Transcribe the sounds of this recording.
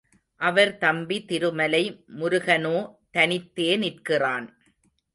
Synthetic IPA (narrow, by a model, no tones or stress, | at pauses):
ʔɐʋɐɾt̪ɐmbit̪ɪɾɯmɐlɐɪmʊɾʊɣɐnoːt̪ɐnɪt̪ːeːnɪrkɪraːn